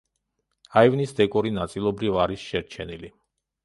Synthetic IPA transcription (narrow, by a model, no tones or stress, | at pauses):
aivnisd̪ɛkʼɔɾinat̪sʼilˠɔbɾivaɾisʃɛɾt͡ʃʰɛnili